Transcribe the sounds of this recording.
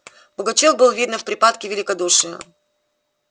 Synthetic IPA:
b̥ʊɡɐt͡ɕok̚bɨlˠvʲid̪nəfpɾʲɪpat̪kʲɪvʲɪlʲɪkɐd̪uʂɨjə

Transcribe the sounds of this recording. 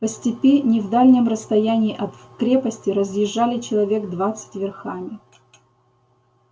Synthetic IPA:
pəsʲtʲɪpʲenʲɪvd̪alʲnʲɪmrəst̪ɐjænʲɪːʔɐt̪kɾʲe̞pəsʲtʲɪɾəzʲjɪʐːalʲɪt͡ɕɪlˠɐvʲe̞ɡd̪vat̪sɨ̥tʲvʲɪrxamʲɪ

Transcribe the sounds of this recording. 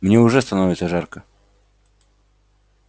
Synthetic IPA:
mnʲeʊʐɛst̪ɐnovʲɪt̪səʐarkə

